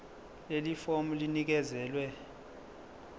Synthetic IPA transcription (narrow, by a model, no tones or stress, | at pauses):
lelifomulinik̬ɛzɛːlwɛ